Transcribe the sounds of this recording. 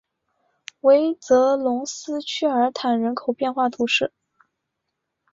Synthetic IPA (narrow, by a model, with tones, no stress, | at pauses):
we˧˥ɪt͡sɤ˧˥lʊ˧˥ŋsɹ̩˥t͡ɕʰy˥ə˞˧˥t̪ʰa˨˩nɻə˧˥nkʰo˨˩ʊpjɛ˥˧nxwa˥˩t̪ʰu˧˥ʂɻ̩˥˩